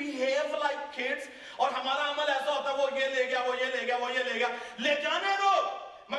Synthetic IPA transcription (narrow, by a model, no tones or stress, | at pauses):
iɦeːʋlaɪkkʰːɪɖz | ɔːɾɦɐmaːɾaɐməlɛːsaɦoːt̪aɛʋojeleːɡjaʋojeleːɡɪjaʋojeleːɡaːleːd͡ʒaːneɾoː | mɐ